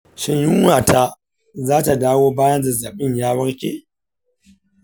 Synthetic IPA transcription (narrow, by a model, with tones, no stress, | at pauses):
ʃɐ˨ɲjʊ˦ŋwaː˨ta˦ | zaː˦ta˨daː˦woː˦baː˦jɐ˦nzɐ˨zɐ˨ɓɪ˦ɲjaː˦bɐ˦rkʲḛː˦